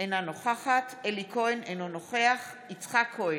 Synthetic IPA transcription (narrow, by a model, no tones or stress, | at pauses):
enanoχaχat̪elikʰoenenonoχeaχ | it͡sχakʰːoe